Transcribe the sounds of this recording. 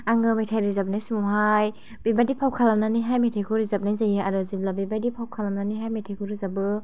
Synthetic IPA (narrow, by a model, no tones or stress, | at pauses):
aŋɯmejtʰajɾizap̚najsimuɦaj | b̥ibadipʰawkʰalamnaniɦajmejtʰajkʰuɾizap̚najzajaaɾɯziblabibadipʰawkʰalamnaniɦajmetʰajkʰuɾɯzabɯ